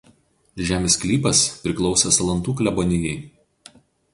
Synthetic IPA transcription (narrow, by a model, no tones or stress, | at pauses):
ʒʲæːmʲeːsklʲiːpɐspʲɾʲɪklˠɒʊsʲɛsɐlˠɐnt̪uːklʲɛbɔnʲɪjɛɪ